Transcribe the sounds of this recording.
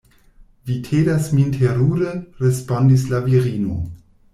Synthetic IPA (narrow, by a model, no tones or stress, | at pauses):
vitʰedasmintʰeɾuɾeɾespondislaviɾino̰